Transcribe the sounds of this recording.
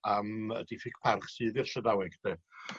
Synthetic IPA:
amə̰difɪkpʰarχsɨːðɪr̥ɬədawɛɡd̥ɛ

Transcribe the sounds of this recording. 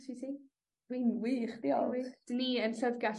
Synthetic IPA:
tʰitʰiː | winwiːχdiɔwid̥niənɬədɡa

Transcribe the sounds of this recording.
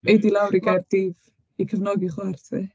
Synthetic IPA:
ejdilˠawɾiɡard̥iv | ikʰəvnɔɡiχɛrθʰɨ

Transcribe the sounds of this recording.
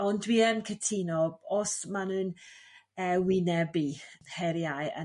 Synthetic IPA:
ɔndwiːɛnkʰətʰinɔɔsmanɨːn | əwɪnɛbihɛɾjajə̰

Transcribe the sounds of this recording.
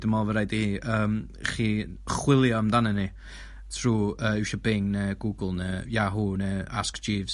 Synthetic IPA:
dəmɔlˠvəɾajdiiːəːm | χiːχwɪlˠjɔmdanəni | θʰruːəːɪwʃɔbɪŋnəɡ̥uːɡlˠnəjaɦuːnəaskd͡ʒiːvz

